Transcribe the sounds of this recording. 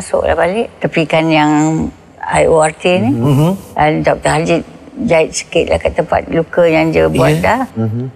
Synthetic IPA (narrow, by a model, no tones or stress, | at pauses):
asʊ̰ʔla̰hbalɪʔt̪apikanjaŋ | a̰joart̪iniəndɔp̚t̪əɦad͡ʒɪt̪̚d͡ʒaɪt̪̚sə̥kɪt̪̚la̰hkat̪ːəmpa̰t̪̚lukəjaŋd͡ʒəbuat̪̚lah